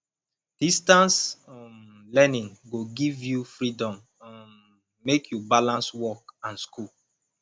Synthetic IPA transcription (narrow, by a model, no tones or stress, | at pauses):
d̥istãns | lɛnĩŋɡoɡivjufɹidɔ̃m | ã | mekʰjubalãnswɔkãnskul